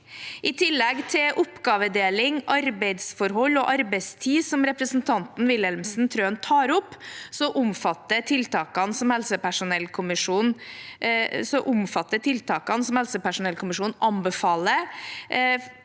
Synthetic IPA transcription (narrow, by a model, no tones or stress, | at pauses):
ʔɪt̪ʰɪlːɛɡt̪ʰɪlʔʊpɡɑːʋəd̪eːlɪŋʔɑɾbɛɪd̪sfɔɾɦɔlːɔʔɑɾbɛɪst̪ʰiːsɔmɾɛpɾəsnt̪ʰɑnt̪n̩ʋɪlɛlmsn̩t̪ʰɾøːnt̪ʰɑːɾʊpːsɔʔʊmfɑt̪ːət̪ʰɪlt̪ɑːkɑnsɔmhɛlsəpæʂʊnɛlːkʰʊmɪʂuːn | sɔʔʊmfɑt̪ːət̪ʰɪlt̪ʰɑːkɑnsɔmhɛlsəpæʂʊnɛlkʰʊmɪʂuːnʔɑmbəfɑːlə